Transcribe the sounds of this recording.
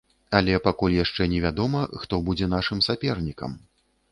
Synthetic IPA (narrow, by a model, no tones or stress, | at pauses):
alʲɛpakulʲjaʂt͡ʂɛnʲɛvʲad̪ɔmɐxt̪ɔbud͡zʲɛn̪aʂɨmsʲapʲɛrnʲikɐ̰m